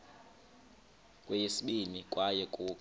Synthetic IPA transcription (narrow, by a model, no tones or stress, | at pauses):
kʼwɛjesiɓinikʼwajɛkʼuː